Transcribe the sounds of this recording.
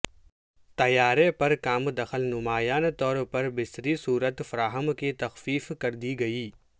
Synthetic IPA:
t̪ɐjaːɾepɐɾkaːmd̪ɐxəlnʊmaːjaːnt̪ɔːɾpɐɾbɪst̪ɾisuːɾət̪fɐɾaːɦəmkit̪ɐxfiːfkɐɾd̪iɡɐiː

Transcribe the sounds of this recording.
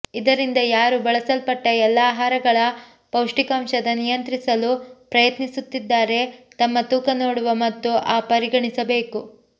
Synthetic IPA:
id̪ɐɾind̪ɐjaːɾubɐɭɐsɐlpɐʈːɐɛlːaːɦaːɾɐɡɐɭɐ | pɐwʂʈikɐːmʃɐd̪ɐnijɐnt̪ɾisɐlupɾɐjɐt̪nisut̪ːid̪ːaːɾe̞t̪ɐmːɐt̪uːkɐnoːɽuʋɐmɐt̪ːuʔaːpɐɾiɡɐɳisɐbe̞ːku

